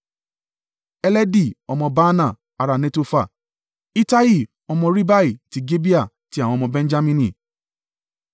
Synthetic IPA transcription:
ɛ˧˦lɛ˦di˦˨ɔ˧mɔ̃˧ba˦nã˨ | a˧ɾa˧˨nẽ˦to˧fa˦˨ | i˦ta˦i˦˨ | ɔ˧mɔ̃˧ɾi˦ba˦i˦˨ti˨˦ɡe˦bi˦a˦˨ | tĩ˨˦˨ɔ̃˧mɔ̃˧bɛ̃˦n˦d͡ʒa˦mĩ˧nĩ˨

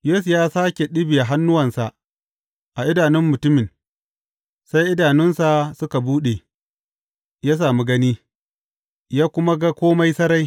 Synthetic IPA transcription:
jeː˦su˨jaː˦saː˦kʲe˨ɗɪ˦bi˨ja˨ɦa˦nːʊ˦wɐ˨nsa˨ʔ | ʔa˨ʔɪ˦daː˨nɪ˦mːʊ˨tʊ˦mɪ˨n | sa˦jʔɪ˦daː˨nɪ˦nsa˨sʊ˦ka˨buː˦ɗe˨ | jaː˦s̬aː˨mi˦ɡɐ˦niː˦ | jaː˦kʷʊ˦ma˦ɡa˦kʷoː˦ma˦jsɐ˦ɾa˦j

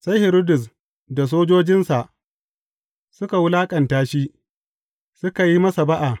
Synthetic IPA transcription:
sa˦jhɪ˨ɾo˦dʊ˨s | da˨s̬oː˦d͡ʒoː˦d͡ʒɪ˦nsa˨ʔ | sʊ˦ka˨wʊ˦laː˦kʼɐ˨ntaː˦ʃi˦ | sʊ˦ka˨ji˦mɐ˦sa˨ba˦ʔa˨ʔ

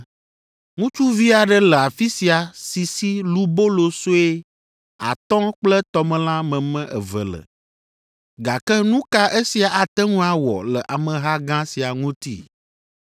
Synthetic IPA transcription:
ŋũ˦t͡ʃu˦vi˦a˨ɖə˦lɛ˨a˨fi˦si˨a˨si˨si˦lu˦bo˦lo˦so˦e˦ | a̰˨t̪ɔ̃˦k͡plə˦t̪ɔ˦mɛ̃˨lã˦mɛ̃˨mɛ̃˦ʔɛ˨və̰˨lə̰˨ | ɡa˨kɛ˦nũ˦ka˦ʔe˦si˨a˨ʔa˨t̪ɛ˦ŋũ˦a˨wɔ̰˨lə˨ʔa˨mə̃˨ɦa˦ɡã˦si˨a˨ŋũ˦t̪ḭ˦

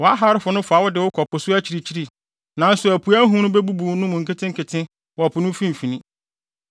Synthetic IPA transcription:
wɔ˨a˦ɦa˦ɾɪ˦fʊ˨nʊ̃˦fa˨˦wʊ˦dɪ˨wʊ˦kʰɔ˨pʰʊ˨sʊ˦æ˦t͡ɕʰi˨ɾi˨t͡ɕʰi˦ɾi˦˨ | nã˨n̩˦sʊ˨æ˨pʰu˨æ˦ɦũ˦nʊ̃˦bɛ˦bu˦bu˨nʊ̃˦mʊ̃˨ŋ̩˨kɪ˦tʰɪ̃˦ŋ̩˦kʰɪ˨tʰɪ̃˦ | wɔ˨pʰʊ˨nʊ̃˦fĩ˦m˨fi˨nĩ˦

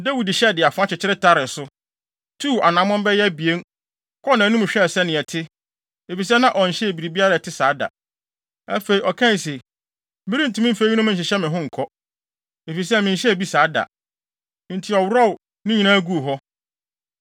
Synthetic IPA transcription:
da˦wi˨dɪ˨ɕɛ˦˨dɪ˨a˨fʊ˦a˦t͡ɕɪ˨t͡ɕʰɪ˦ɾɪ˦tʰa˦ɾɪ˨sʊ˦ | tʰuː˦˨a˨nã˨˦mɔ̃˦m˦bɛ˦jɛ˦bi˨e˦n | kʰɔ˦nã˨˦nũ˦m˨ɕᶣɛ˦˨sɛ˦nɪ̃˨ɛ˨tʰɪ˦ | e˨fi˨s̬ɛ˦nã˦ʔɔ˨ɲ̩˨ɕɛ˦e˨bi˨ɾi˨bi˦a˦ɾa˨tʰɪ˦saː˨˦da̰˨ | æ̰˦fe˨i˨ɔ˨kʰã˦n˨se˨ | bɪ˦ɾi˦n̩˨tu˦mɪ̃˦fe˦ɲ˦nʊ̃˦m̩̃˦˨ɕ̬ɪ˨ɕɛ˦mɪ̃˨ɦʊ̃˦ŋ̩˨kʰɔ˦ | e˨fi˨s̬ɛ˦mɪ̃˨ɲ̩˨ɕɛ˦e˨bi˦saː˨˦da̰˨ | n̩˨tʰɪ˨ɔ˨wɾɔ˦˨w | nɪ̃˦ɲĩ˨nãː˦ɡu˦˨ɦɔ˦

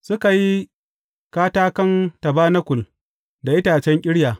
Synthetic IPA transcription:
sʊ˦ka˨ji˦ | kaː˦taː˦kɐ˦ntɐ˨baː˦nɐ˦kʷʊ˨l | da˨ʔɪ˦taː˨t͡ʃɛ˦ŋkʲʼɪ˦ɽjaː˨

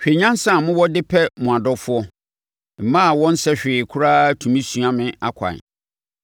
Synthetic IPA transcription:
ɕᶣe˨ɲã˦n˦sã˦˨mʊ̃˦wɔ˦dɪ˦pʰɛ˦mʊ̃˨a˨dɔ˦fʊ˦ɔ˦ | m̩˨mã˦˨wɔ̃˦n̩˦sɛ˦ɕᶣɪː˨kʰʊ˦ɾa˦tʰũ˨mĩ˦sũ˨ã˦mɪ̃˨a˦kʷʰa̰˨

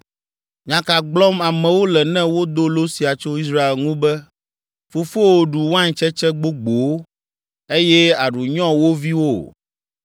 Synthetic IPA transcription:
ɲã˨ka˨ɡ͡blɔ˦ma˨mɛ̃˨wo˦lɛ˨nɛ̃˦wo˦d̪o˦lo˦si˨a˨t͡ʃo˦i˦s̬ɾa˦e˨lŋũ˦bɛ˦ | fo˨fo˦wo˨ɖu˨wã˦ɲ˨t͡ʃɛ˦t͡ʃɛ˦ɡ͡bo˦ɡ͡bo˨˦ | e˦jɛ˦a˨ɖu˨ɲɔ̃˦wo˦vi˦wo˦˨

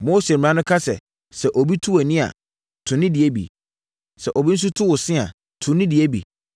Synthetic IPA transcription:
mo˦se˨m̩˨nã˦nʊ̃˦kʰa˦sɛ̰˨ | sɛ˨ʔɔ˨bi˦tʰu˦æ˨nĩ˦a̰˨ | tʰʊ̃˨nɪ̃˦di˨e˦bḭ˨ | sɛ˨ʔɔ˨bi˦n̩˦s̬u˦tʰʊ˦wʊ˨sɪ̃˦a̰˨ | tʰʊ̃˨nɪ̃˦di˨e˦bḭ˨

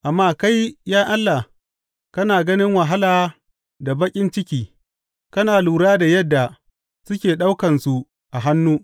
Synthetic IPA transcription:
ʔa˨mːaː˦ka˦jjaː˦ʔa˦lːa˨h | kɐ˦naː˨ɡɐ˦nɪ˦ŋwɐ˨ɦa˦laː˨ | da˨bɐ˦kʲʼɪ˦nt͡ʃɪ˦kʲiː˦ | kɐ˦naː˨luː˨ɽaː˦da˨jɐ˦dːa˨ | sʊ˦kʲeː˨ɗa˦wkɐ˨nsu˨ | ʔa˨ɦa˦nːuː˦

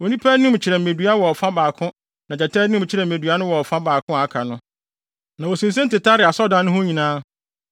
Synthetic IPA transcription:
wo˨nĩ˦pʰæ˦nʊ̃˦m̩˨t͡ɕʰɪ˨ɾɛ˨m̩˨me˨dɥa˦wɔ˨ɔ˨fã˦baː˨kʰʊ̃˦ | nã˨d͡ʑɛ˨tʰɛ˦nʊ̃˦m̩˨t͡ɕʰɪ˦ɾɛ˨m̩˨me˨dɥa˦nʊ̃˦wɔ˨ɔ˨fã˦baː˨kʰʊ̃˦a˨˦kʰa˨nʊ̃˦ | nã˨wɔ˨sĩ˨ns̬ẽ˦n̩˦tɪ˨tʰa˦ɾɪ˨a˨sɔ˦dã˦nːʊ̃˦hʊ̃˦ɲĩ˨nãː˦

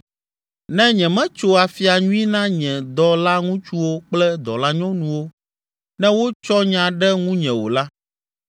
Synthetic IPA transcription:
nɛ̃˦ɲɛ̃˨mɛ̃˦t͡ʃo˦a˨fi˨a˨ɲũ˦i˦nã˦ɲɛ̃˨d̪ɔ˦la˦ŋũ˦t͡ʃu˦wo˦k͡plɛ˦d̪ɔ̰˨la˦ɲɔ̃˦nũ˨wo˦ | nɛ̃˦wo˦t͡ʃɔ˦ɲã˨ɖɛ˦ŋũ˦ɲɛ̃˨wo̰˨la˦

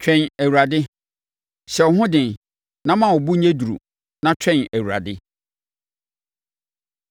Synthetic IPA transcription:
t͡ɕʰᶣɛ̃˦næ˨wu˨ɾa˨dɪ˦ | ɕɛ˨wɔ˨ɦʊ̃˦dɪ̃˨n | nã˦mã˨wʊ˨bu˦ẽ˦du˨ɾṵ˨ | nã˦t͡ɕʰᶣɛ̃˦næ˨wu˨ɾa̰˨dɪ˦

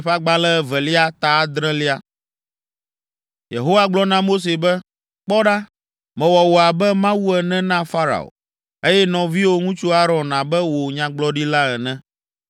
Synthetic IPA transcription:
ɸa˦ɡ͡ba˦lɛ˦vɛ˨li˦a˦t̪a˨˦d̪ɾɛ̃˦li˦a˨ | jḛ˨ɦo˦wa˦ɡ͡blɔ˦nã˦mo˦s̬e˨bɛ˦ | k͡pɔ˦ɖa˦ | mɛ̃˨wɔ˨wo˨a˨bɛ˦mã˦wu˦ɛ˨nɛ̃˦nã˦fa˦ɾa̰˨o̰˨ | e˦jɛ˦nɔ̃˨vi˦wo˦ŋũ˦t͡ʃu˦a˦ɾɔ̃˨nã˨bɛ˦wo˨ɲã˨ɡ͡blɔ˦ɖi˦la˦ɛ˨nɛ̃˦

